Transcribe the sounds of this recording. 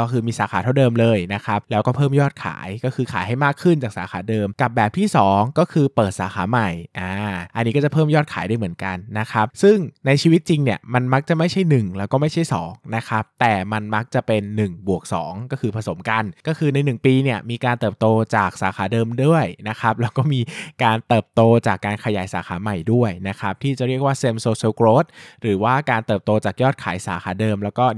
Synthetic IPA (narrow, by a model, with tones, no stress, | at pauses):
ɔ˥˩kʰɯː˧miː˧saː˨˦xʰaː˨˦a˥˩wdɤː˧mlɤː˧jna˦˥kʰa˦˥p̚lɛː˦˥wkɔː˥˩pʰɤː˥˩mjɔː˥˩t̪̚kʰa̰ː˩˦jkɔː˥˩kɯː˧kʰaː˩˦jɦa˥˩jmaː˥˩kʰɯ˥˩nt͡ɕaː˨˩k̚saː˨˩˦xaː˩˦dɤː˧mka˨˩p̚bɛː˨˩p̚t̪ʰiː˥˩sɔː˩˦ŋkɔː˥˩kʰɯː˧pɤː˨˩t̪̚saː˨˩˦xʰaː˩˦ma˨˩jʔaː˧˩ʔa˧nːi˦˥kɔ˥˩a˨˩pʰɤː˥˩mjɔː˥˩t̚kʰaː˩˦jda˥˩jmɯ˩˦ənka˧nːa˦˥kʰa˦˥p̚sɯ˥˩ŋna˧jt͡ɕʰiː˧wi˦˥t̪̚t͡ɕi˧ŋni˥˩ɐma˧nma˦˥k̚t͡ɕa˨˩ma˥˩jt͡ɕʰa˥˩jnɯ˨˩ŋlɛː˦˥wkɔː˥˩ma˥˩jt͡ɕʰa˥˩jsɔ̰ː˩˦ŋna˦˥kʰa˦˥p̚t̪ɛː˨˩ma˧nma˦˥k̚t͡ɕa˨˩pe˧nːɯ˨˩ŋbu˨˩ək̚sɔ̰ː˩˦ŋkɔː˥˩kʰɯː˧pʰa˧so˩˦mka˧nkɔː˥˩kʰɯː˧na˧jnɯ˨˩ŋpiː˧ni˥˩ɐmiː˧kaː˧nt̪ɤː˨˩p̚t̪oː˧t͡ɕaː˨˩k̚saː˩˦xʰaː˩˦dɤː˧mdu˥˩əjna˦˥xʰa˦˥p̚lɛː˦˥wkɔː˥˩miː˧kaː˧nt̪ɤː˨˩p̚t̪oː˧t͡ɕaː˨˩kːaː˧nkʰa˧ja̰ː˩˦jsaː˩˦xaː˩˦ma˨˩jdu˥˩əjna˦˥kʰa˦˥p̚t̪ʰiː˥˩t͡ɕa˨˩ʔɾi˥˩ək̚waː˥˩se˧msoː˧siː˧wkɾoː˦˥t̪̚ɾɯː˩˦waː˥˩kaː˧nt̪ɤː˨˩p̚t̪oː˧t͡ɕaː˨˩k̚jɔː˥˩t̪̚kʰa̰ː˩˦jsaː˩˦xaː˩˦dɤː˧mlɛː˦˥wkɔː˥˩